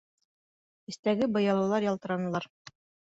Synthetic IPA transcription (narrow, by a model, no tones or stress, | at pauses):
ɘ̆st̪æɡɘbɤ̆jɑlˠɑwlˠɑɾjɑlˠt̪ɤ̆ɾɑnɤ̆lˠɑɾ